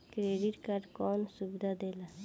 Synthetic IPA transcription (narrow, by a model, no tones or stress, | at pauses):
kɾeːɖiʈkaɖkɔːnsubd̪ad̪eːla